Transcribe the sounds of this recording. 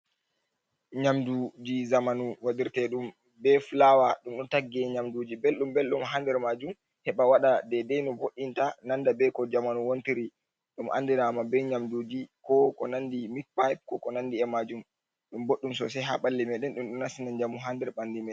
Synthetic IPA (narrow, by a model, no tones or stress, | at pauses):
ɲamdud͡ʒizamanuwaɗiɾtɛɗum | bɛflawaɗumɗɔntaɡːɛɲamdud͡ʒibelɗumbɛlɗumɦandɛɾmad͡ʒum | hɛɓawaɗadɛdɛjnɔboɗintanandabɛkɔd͡ʒamanuwontiɾi | ɗumʔa̰ndinaːmabɛɲamdud͡ʒikɔkɔnandimik̚pajp̚kɔkɔnandiɛmad͡ʒum | ɗumboɗːumsɔsɛɦaɓalːɛmɛɗɛnɗumɗɔnasinand͡ʒamuɦandɛɾɓandimɛɛ